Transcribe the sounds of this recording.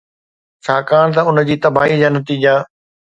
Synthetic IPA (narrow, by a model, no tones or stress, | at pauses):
t͡ɕʰaːkaːɽ̃t̪̬ɐʊnə̆d͡ʑiːt̪ɐbaːɦid͡ʑaːnɐt̪iːd͡ʑaː